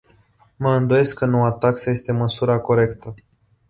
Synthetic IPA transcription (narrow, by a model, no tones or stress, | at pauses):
məɨnd̪oje̞skːənoat̪aksəje̞st̪e̞məsuɾako̞ɾe̞kt̪ə